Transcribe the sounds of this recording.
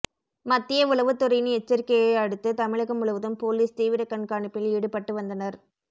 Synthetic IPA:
mɐt̪ːɪjɐʊɭɐʋɯt̪ːʊɾɐjnɛt͡ʃːɐɾɪkːɐjeɐɽɯt̪ːɯt̪ɐmɪɭɐɣɐmʊɭɐʋɯðɯmpoːliːst̪iːʋɪɾɐkːɐɳkaːɳɯpːɪlɪɽɯpːɐʈːɯʋɐnd̪ɐnɐɾ

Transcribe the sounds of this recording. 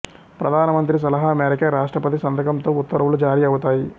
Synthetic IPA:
pɾɐd̪ʱaːnɐmɐnt̪ɾis̬ɐlɐɦɐːmeːɾikɐɾaːʂʈɾɐpɐt̪isɐnd̪ʱɐkɐmt̪oːut̪ːɐɾɐʋɐlud͡ʒaːɾiɐʋut̪aːji

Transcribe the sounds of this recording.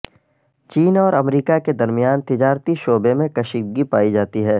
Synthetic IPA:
t͡ʃiːnɔːɾɐmɾiːkaked̪ɐɾmijaːnt̪ɪd͡ʒaːɾt̪iʃoːbemẽkɐʃiɡipaːid͡ʒaːt̪iɦɛː

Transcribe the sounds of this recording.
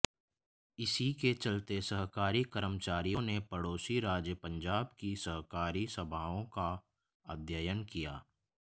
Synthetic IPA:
ɪsiket͡ʃɐlt̪esəɦkaːɾikəɾəmt͡ʃaːɾijõnepəɽoːsiɾaːd͡ʒjəpə̃ɲd͡ʒaːbkisɐɦkaːɾisəbʱaːõka | ad̪ʱjəjənkijaː

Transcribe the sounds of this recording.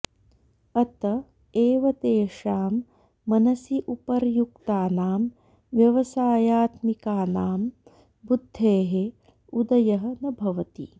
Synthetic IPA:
ɐt̪ɐ | eːʋɐt̪eːʂaːmː | ɐnɐsiʔupɐɾjukt̪aːnaːm | ʋjɐʋɐsaːjaːt̪mikaːnaːm | bud̪ʱːeːɦe | ud̪ɐjɐɦɐ̆nɐbʱɐʋɐt̪ḭ

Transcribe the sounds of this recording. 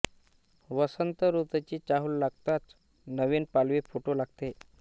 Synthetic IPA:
ʋəsənt̪əɾut̪ət͡ɕiːt͡ɕaɦuːllaɡt̪at͡s̪ | nəʋinpalʋefoʈolaɡ̚t̪e

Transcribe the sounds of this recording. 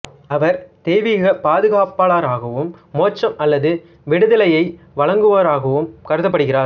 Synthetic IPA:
ɐʋɐɾt̪eːʋiɣɐpaːðɯɣaːpaːlaːɾaːɣɐʋɯmːoːt͡ʃːɐmɐlːɐðɯ | ʋɪɽɯðɐlɐjɐɪ | ʋɐɭɐŋɡɯʋɐɾaːɣɐʋɯmkɐɾɯðɐpːɐɽɯɣɪraːɾ

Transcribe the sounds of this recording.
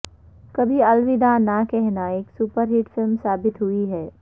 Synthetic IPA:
kɐbʱiɐlʋɪd̪anakɛɦnaeːksuːpəɾɦɪʈfɪlmsaːbɪt̪ɦʊiɦɛː

